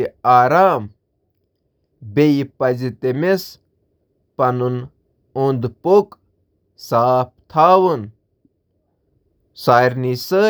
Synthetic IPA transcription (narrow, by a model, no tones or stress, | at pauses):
aːɾaːm | bejpɐzit̪emes | pɐnun | und̪pok | saːp̚t̪ʰaːwun | saːɾnisəː